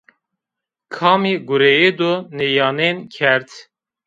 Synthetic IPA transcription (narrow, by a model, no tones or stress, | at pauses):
kʰɑːmiɡʊɾejed̪onejɑːneːnkʰɛɾt̪